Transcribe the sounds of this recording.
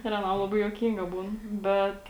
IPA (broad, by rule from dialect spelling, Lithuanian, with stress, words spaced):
ɪr ɐˈnɐm lˠɐˈbɐɪ juɔˈkʲiːŋɡɐ ˈbuːn ˈbʲɛt